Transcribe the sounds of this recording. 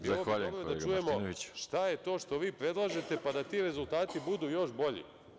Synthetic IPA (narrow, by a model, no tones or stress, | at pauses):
bzaloʋaːʎujeold̪aeɡt͡ʃujemonoʋit͡ɕʃt̪ajet̪o̞ːʃt̪o̞ʋiːpɾe̞d̪lˠaːʒe̞t̪e̞pad̪at̪iɾe̞zulˠt̪aːt̪ibud̪uːjo̞ʃbo̞ʎḭ